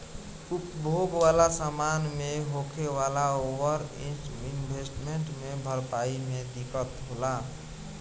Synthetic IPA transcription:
upbʱoɡʋalasamanmeɦokʰeʋalaoʋəɾiinbʱesʈmeɳʈmebʱəɾpaimed̪ikət̪ɦola

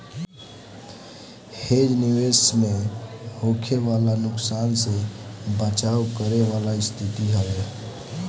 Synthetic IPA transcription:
hed͡ʒniwesmehokʰeʋalanʊksansebət͡ʃaukəɾeʋalaist̪ʰit̪iɦəʋe

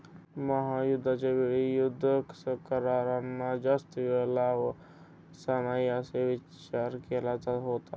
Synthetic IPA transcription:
məɦajʊd̪ʱːat͡ʃebeɽijʊd̪ʱːəksəkəɾaːɾanːad͡ʒast̪iʋelaʋ | sanajaseʋɪt͡ʃaɾkelat͡saɦoːt̪a̰

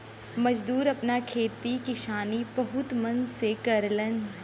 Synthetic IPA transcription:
mɐd͡ʒd̪uːɾɐpnakʰeːt̪ikɪʃaːnibɐɦʊt̪mɐ̃nsekɐɾlən

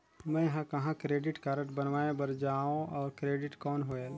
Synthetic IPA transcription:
mɛ̃ɦãkɐɦãkɾeːɖɪʈkaɾə̃ʈbənʋaːebəɾd͡ʒaːõɔːɾkɾeːɖɪʈkɔːnɦoe

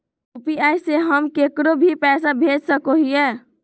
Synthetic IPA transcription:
upiajseɦəmkekɾobʱipɛːsabʱed͡ʒsəkoɦiɛː

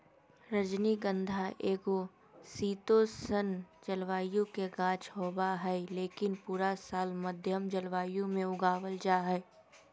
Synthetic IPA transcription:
ɾəd͡ʒniɡə̃nd̪ʱaʔeːɡo | siːt̪osənd͡ʒəlʋaːjõkeɡãːt͡ʃɦoːbaɦɛleːkɪnpuːɾasaːlməd̪ʱjəmd͡ʒəlʋaːjõmẽʊɡaːwəld͡ʒaːɦɛː

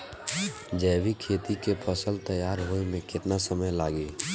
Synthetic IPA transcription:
d͡ʒɛːwikʰeːt̪ikepʰəsəlt̪əjːaːɾɦoːemẽkɪt̪nasəməjlaːɡiː

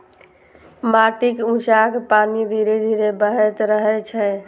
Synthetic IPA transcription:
maʈikũt͡ʃakpanid̪ʱiɾed̪ʱiɾebəɦɛt̪ɾəɦɛt͡ʃʰɛ

